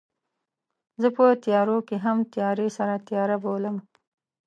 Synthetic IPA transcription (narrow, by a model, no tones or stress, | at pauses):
zəpət̪jɑɾokeɦamt̪jɑɾesaɾat̪jɑɾaboləm